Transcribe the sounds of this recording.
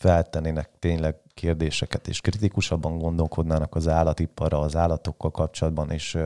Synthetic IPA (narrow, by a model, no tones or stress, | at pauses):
fɛlt̪ɛnːeːnɛkt̪eːɲlɛɡ | keːrd̪eːʃɛkɛt̪ḛːʃkrit̪ikuʃɒbːɒŋɡo̞nd̪o̞lko̞d̪naːnɒkɒzaːlɒt̪ipːɒrɒːzaːlːɒt̪o̞kːɒlkɒpt͡ʃo̞lɒd̪bɒneːʃ